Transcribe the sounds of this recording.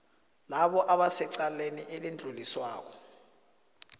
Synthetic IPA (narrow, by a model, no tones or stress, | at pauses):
laɓɔʔaɓasɛǀaleniʔɛlend͡ɮʱuliswaːk̬ɔ̥